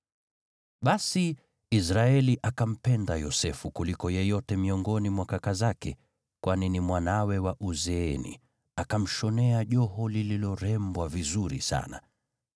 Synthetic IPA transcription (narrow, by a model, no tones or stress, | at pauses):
ɓasi | isɾaɛliʔakam̩pɛndajɔsɛfukulikɔjɛjɔtɛmiɔŋɡɔnimwakakazakɛ̰ | kwʔaninimwanawɛwaʔuzɛɛnḭ | akam̩ʃɔnɛaʄɔɦɔlililɔɾɛmbwavizuɾisa̰na̰